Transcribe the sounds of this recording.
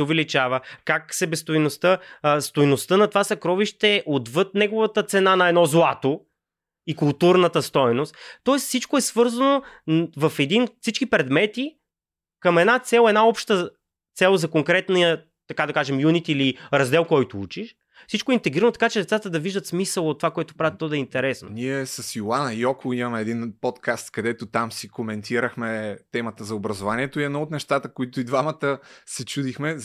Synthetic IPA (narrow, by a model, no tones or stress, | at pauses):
sɛovɛlit͡ʃavəkaksɛbɛst̪ojnost̪əst̪ojnost̪ənɐt̪ovasɐkɾɔviʃt̪ɛʔod̪vɤt̪̚nɛɡovət̪ət̪sɛnanɐɛd̪nɔzlˠat̪o | ikʊlˠt̪uɾnət̪əst̪ɔjnost̪t̪ɔɛsfsit͡ʃkoɛsvɤɾzɐnovɐfɛd̪infsit͡ʃkipɾɛd̪mɛt̪i | kɐmɛd̪nat̪sɛlˠɛd̪naɔpʃt̪ə | t̪sɛlˠzɐkoŋkɾɛt̪nəjə | t̪ɐkad̪ɐkaʒɛmjunit̪iliɾɐzd̪ɛlˠkɔjt̪ʊut͡ʃiʃ | fsit͡ʃkoɛint̪ɛɡɾiɾənot̪ɐkat͡ʃɛd̪ɛt̪sat̪əd̪ɐviʒd̪ət̪smisəlˠot̪ːovakoɛt̪o̥pɾavʲɛt̪ːɔd̪ɐɛint̪ɛɾɛsno̰niɛsəsjolˠanəjɔkʊimɐmɛɛd̪inpɔt̪kʰast̪kɐd̪ɛt̪ʊt̪amsikomɛnt̪iɾəxmɛt̪ɛmət̪əzɐobɾɐzovaniɛt̪oiɛd̪nɔot̪nɛʃt̪at̪əkoit̪ʊid̪vamət̪əsɛt͡ʃud̪ixmɛ